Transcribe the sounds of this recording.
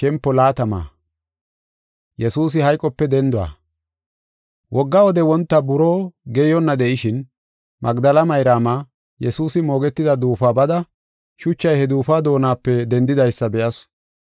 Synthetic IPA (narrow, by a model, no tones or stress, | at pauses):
kɛmpːɔlaːt̪ɐma̰ː | jɛsuːs̬ɪhɐjkʼːɔpːɛd̪ɛnd̪ʊwa̰ː | wʔɔɡːawɔd̪ɛwɔnt̪ːɐbʊɾoːɡɛjɔnːɐd̪ɛʔɪʃɪn | mʔɐɡd̪ɐlɐmɐjɾaːmaː | jɛsuːsɪmo̞ːɡɛt̪ːɪd̪ɐd̪uːfaːbɐd̪ɐ | ʃʊt͡ʃːɐjhɛd̪uːfaːd̪o̞ːnaːpːɛd̪ɛnd̪ɪd̪ɐjsːɐbɛʔɐs